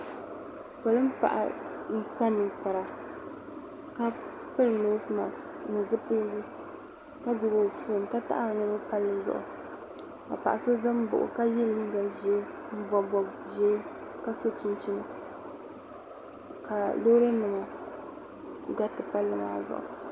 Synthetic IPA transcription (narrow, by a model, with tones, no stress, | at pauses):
fʊ˨lɨ˦m˦pa̰˨ʔa̰˨m̩˦k͡pa˦nːɨ˨ŋk͡pa˨ɾa˨ | ka˦ | pɨ˦lɨ˨no˦sma˨ | nɨ˨zɨ˦pɨ˦lɡu˦ | ka˦ɡʊ˨bo˨fu˦˨m˨ka˦ta̰˦ʔa˦˨bɨ˨nɨ˦ɾbɨ˦pa˦lːɨ˨˦zʊ̰˨ʔʊ̰˨ | ka̰˨pa̰˨ʔa˨so˦za˦m˦bʊ̰˨ʔʊ̰˨ka˦jɛ˦lɨ˦m˦ɡa˨ʒɛ˦ | m̩˦bɔ˨bɔ˨bʒɛ˦ | ka˦so˦t͡ʃi˦nt͡ʃɪ˦nɨ˨ | ka˨lo˦ɾɨ˦nɨ˨ŋa˨ | ɡa˦tɨ˨pa˦lːɨ˨ma̰ː˨zʊ̰˨ʔʊ̰˨